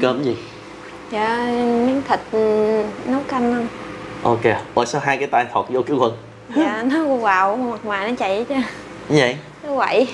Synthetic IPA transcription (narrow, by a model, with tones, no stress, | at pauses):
kəː˨˦mzi˨˩ | jaː˨˩mi˨˦ŋt̪ʰï˨˩k̚nə˨˦wka˧nə˧wŋ͡mʔo˧ke˧ɓəː˨˩jsa˧wɦaː˧jkaː˨˦jt̪aː˧j̪ʰɔ˨˩t̚zo˧ki˨˦əwə˨˧˩n | jaː˨˩nɔ˨˦ku˧waː˨˩wma˨˩k̚waː˨˩jnɔ˨˦t͡ɕḭ˧˨t͡ɕə˧˨˦ | zə̰˧˨˩j | t̪ɨ˨˦və̰˧˨j